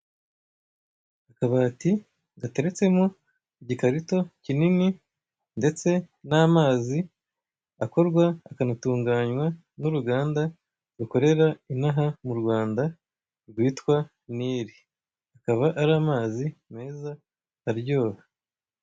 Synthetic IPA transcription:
akaβaːti | ɡateɾit͡se̞mo | iɟikaɾito̞cinini | nde̞t͡se̞naːmaːzi | ako̞ɾɡwaːkanatuːŋɡaːɲwa | nuɾuɡaːnda | ɾuko̞ɾe̞ɾainaɦamuɾɡwaːnda | ɾɡwiːtkwa | niːɾi | akaβaʔaɾaːmaːzime̞ːzaː | ɾɟo̞ːβa

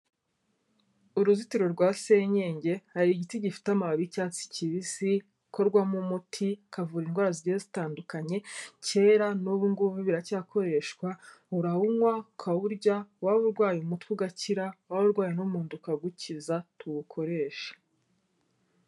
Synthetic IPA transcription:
uɾuzitiɾo̞ɾɡwaːse̞ɲe̞ːɲɟe̞haɾiːɟitiɟifi̥tamaβicaːt͡si̥ciβisi | ko̞ɾɡwamumutʰikavuːɾinɡwaːɾaziɟeezitaːndukaɲe̞ce̞ːɾanuβuŋɡuvuβiɾacakʰo̞ɾe̞ːʃkwauɾahuŋwakʰaβuɾɟawaβuɾɡwaːjumutkuɡaciɾawaβuɾɡwaːjenumuːndukaɡucizatuβukʰo̞ɾe̞ːʃḁ

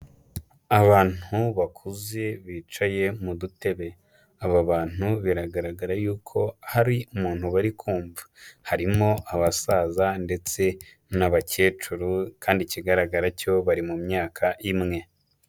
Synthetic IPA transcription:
aβaːn̥uβakʰuze̞βiːt͡ʃaje̞mudute̞βe̞ | aβaβaːn̥uβiɾaɡaɾaɡaɾajuːkʰo̞haɾiumuːn̥huβaɾikʰuːɱvahaɾimo̞ʔaβasaːzande̞t͡se̞ | naβace̞ːt͡ʃuɾukaːndiciɡaɾaɡaɾaco̞βaɾimumɲaːkʰaʔimŋe̞

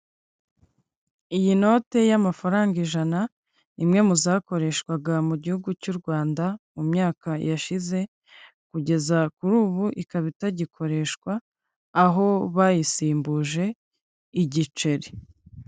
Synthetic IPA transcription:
ijino̞ːte̞jamafaɾaːŋɡiʒana | imŋe̞muzaːko̞ɾe̞ʃkwaɡamuɟihuɡucuːɾɡwaːndaumɲaːkajaʃize̞ | kuɟe̞zakuɾuːβuʔikaβitaɟikʰo̞ɾe̞ʃkwaː | ɦo̞βajisiːmbuʒe̞ | iɟit͡ʃe̞ɾi

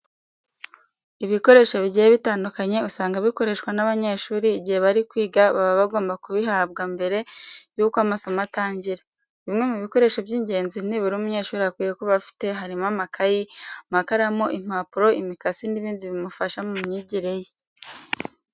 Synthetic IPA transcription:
iβiko̞ɾe̞ːʃoβiɟijeβitaːndukaɲe̞usaːŋɡaβiko̞ɾe̞ʃwanaβaɲe̞ːʃuːɾiːɟihe̞βaɾikwiːɡaβaβaβaɡo̞ːmbakuβiɦab̚ɡambe̞ɾe̞juːkoamasomataːɲɟiɾa | βimŋe̞muβiko̞ɾe̞ʃobjiːɲɟe̞ːnzin̥iβuɾumuɲe̞ːʃuːɾiakwiːjekoβafi̥te̞ɦaɾimamakajimakaɾamoʔim̥aːpuɾo̞ʔimikasiniβiːndiβimufaʃamumɲiɟiɾe̞je

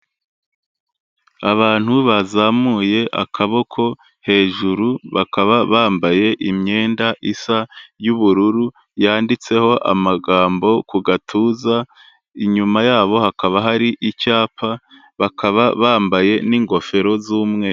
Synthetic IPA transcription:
aβaːn̥huβazamuje̞ʔa̰kʰaβo̞kʰo̞ | he̞ːʒuɾuβakaβaβaːmbaje̞ʔimɲe̞ːndaʔisajuβuɾuɾu | jaːndit͡se̞ho̞ʔa̰maɡaːmbo̞kuɡatʰuːza | iɲumajaːβo̞hakaβaɦaɾiʔicaːpa | βakʰaβaβaːmbaje̞niːŋɡo̞fe̞ɾo̞zuːmŋe

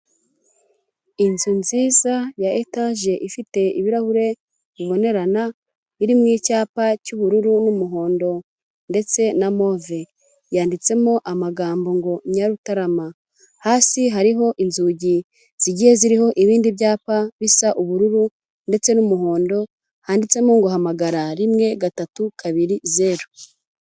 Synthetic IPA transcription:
inzunziːzajaʔetaʒe̞ʔifite̞iβiɾahuɾe̞ | βiβo̞ne̞ɾana | iɾimŋiːcaːpacuβuɾuɾunumuɦo̞ːndo̞ | nde̞t͡se̞namo̞ve̞ | jaːndit͡se̞moʔamaɡaːmbo̞ŋɡo̞ɲaɾutaɾama | haːsiɦaɾiɦo̞ʔinzuːɟi | z̥iɟihe̞ziɾiɦo̞ʔiβiːndiβjaːpaβisaʔuβuɾuɾu | nde̞t͡se̞numuɦo̞ːndo̞ | haːndit͡se̞moŋɡohamaɡaɾaɾimŋe̞ɡatatukʰaβiɾize̞ɾu

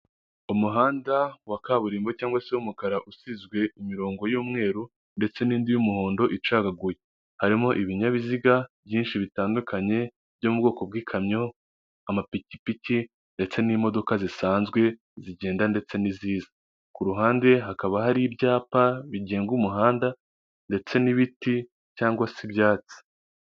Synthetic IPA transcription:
umuɦaːndawakaːβuɾiːmbocaːŋɡwase̞umukaɾaʔusizɡwe̞imiɾo̞ːŋɡo̞juːmŋe̞ːɾu | nde̞t͡se̞niːndijumuho̞ːndo̞ʔit͡ʃaːɡaɡuje | haɾimo̞ʔiβiɲaβiziɡabjiːnʃiβitaːndukaɲe̞ | bɟo̞mub̚ɡo̞ːko̞b̚ɡiːkʰamɲo̞ | amapicipici | nde̞t͡se̞nimo̞do̞kazisaːnzɡwe̞ | ziɟe̞ːndande̞t͡se̞niziːza | kuɾuɦaːnde̞ɦakaβaɦaɾibjaːpaβiɟe̞ːŋɡumuɦaːnda | nde̞t͡se̞niβiti | caːŋɡwasibjaːt͡si̥

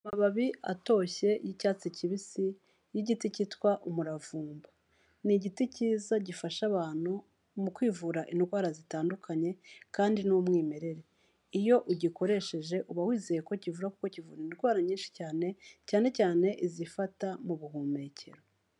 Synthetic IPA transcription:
amaβaβia̰to̞ːçe̞jicaːt͡siciβisi | jiɟiticitwaʔumuɾavuːmba | niɟiticiːzaɟifaʃaβaːn̥hu | mukwiːvuːɾaʔinɡwaːɾazitaːndukʰaɲe̞kaːndinumŋiːme̞ɾe̞ɾe̞ | ijo̞ʔuɟiko̞ɾe̞ʃe̞ʒe̞ʔuβawiːzejeko̞civuɾakuko̞civṵːɾinɾɡwaːɾaɲiːnʃi̥caːne̞caːne̞caːne̞ʔizifatamuβuhuːme̞cʰe̞̰ɾo

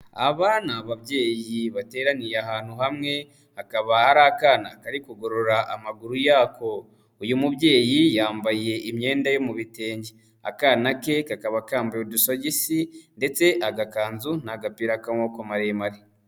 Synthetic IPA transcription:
a̰βaːnaβaβɟe̞ːjiβate̞ːɾanijeaɦaːn̥huhamŋe̞ | hakaβahaɾakaːnakaɾikuɡo̞ɾo̞ɾaʔamaɡuɾujaːko̞ | ujumuβɟe̞ːjijaːmbaje̞ʔimɲe̞ːndajo̞muβite̞ːɲɟe | a̰kaːnake̞kakaβakaːmbajodusoɟisinde̞t͡se̞ʔaɡakaːnzunaɡapiɾakamoːkomaɾemaɾi

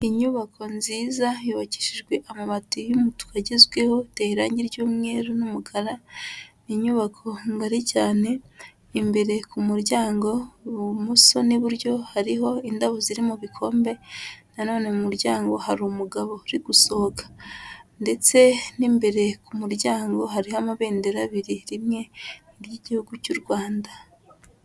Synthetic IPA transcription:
iɲuβakʰo̞nziːzajuβaci̥ʃiʒɡwe̞ʔamaβatujumutu̥kaɟezɡwe̞ho̞teiɾaːɲɟiɾɟuːmŋe̞ːɾunumuɡaɾaniɲuβakʰo̞ŋɡaɾicaːne̞ | imbe̞ɾe̞kumuɾɟaːŋɡo̞muso̞niβuɾɟo̞haɾiɦo̞indaβoziɾimuβikʰo̞ːmbe̞nano̞ːne̞umuɾɟaːŋɡo̞haɾumuɡaβo̞ɾiɡuso̞kḁnde̞t͡se̞niːmbe̞ɾe̞kumuɾɟaːŋɡo̞ɦaɾihamaβe̞ːnde̞ɾaβiɾiɾimŋe̞niɾjiɟihuɡucuɾɡwaːnda

